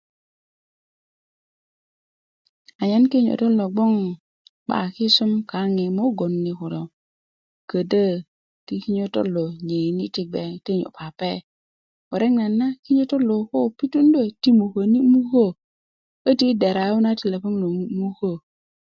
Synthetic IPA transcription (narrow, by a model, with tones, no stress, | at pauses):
a˨ɲa˦nki˦ɲo̰˨to˦lo˨ɡ͡bo˦ŋ | ɓa̰˨ki˦su˦mka˨˦ŋi˨mo˦ɡo˨nːi˨ku˨do˨ | kə˨də˦ | ki˦ki˦ɲo˦to̰˦lo˨ɲe˨ni˦ti˦k̚ɡ͡be˨te˦ɲo̰˨pa˨pe˦ | wo˨ɾe˦ŋna˨nːa˦ki˦ɲo˦to˦lo˨ko˦˨pi˦tu˦ndo˦˨ti˦mu˨ko˨ni˦mu˦ko˦˨ | kə˦ti˦de˨ɾa˨˦u˦na˦ti˨le˨po˦ŋlo˨˦mu˦ko˦˨